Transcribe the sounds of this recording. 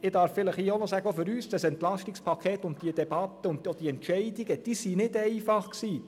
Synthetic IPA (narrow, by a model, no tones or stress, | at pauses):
ɪd̥ɑːɾffɪləχiːonɔsæːɡəofʏɾyːsd̥ɑsɛnt̪lɑʃtɪkspʰɑkʰeːt̪ːʊnd̥iəd̥ɛbɑt̪ːəʊn̚od̥iɛntʃɛɪdɪɡəd̥iːsiːnɪdɛɪfɑχksiː